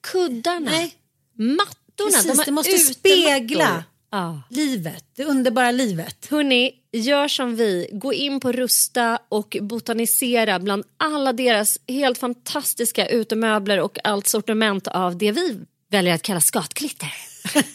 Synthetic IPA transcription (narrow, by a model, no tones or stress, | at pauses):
kʰɵd̪ːaɳaɛ | mat̪ːʊɳad̪ɔmd̪ɛmɔst̪əspeːɡla | ɑːliːvət̪̚d̪ɛɵnd̪əɾbɑːɾaliːvət̪hɵnːɪ | jœːʂɔmvɪɡoːʔɪnːpʰɔɾɵst̪aʔɔkbʊt̪anɪseːɾabland̪alːad̪eːɾasheːlt̪fant̪ʰast̪ɪskaʔʉ̟ːt̪əmøːbləɾɔkalt̪sɔʈɪmɛnt̪avd̪ɛvɪ | vɛljəɾat̪kʰalːaskɑːt̪kʰlɪt̪ʰːəɾ